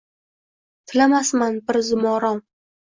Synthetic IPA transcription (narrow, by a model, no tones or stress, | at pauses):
t̪ʰɪlamasmanbɪɾzʊmɒɾɒm